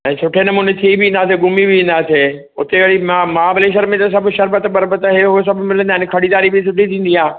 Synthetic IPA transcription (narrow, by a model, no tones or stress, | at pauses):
ɛ̃ːsʊʈʰenɐmuːnet̪ʰiibɪĩːn̆d̪aːs̬eɡʊmibɪʋĩːnd̪aːse | ʊt̪eɐɽimamãːbɪleːʃ̬əɾmẽt̪ɐs̬ɐbʱʃɐɾbət̪bɐɾbət̪ɦeɦʊes̬ɐbʱʊmɪl̤ə̃nd̪aːɪnkʰɐɽid̪aːɾibɪsʊʈit̪ʰĩːn̆d̪iɦãː